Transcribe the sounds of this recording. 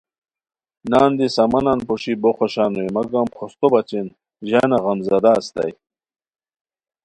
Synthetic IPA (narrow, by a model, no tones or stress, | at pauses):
naːnd̪isɐmɐnanpoɕiboχoɕaːnujmɐɡamχʰost̪obɐt͡ɕin | ʑanaʁɐmzɐd̪ast̪ɐ̰j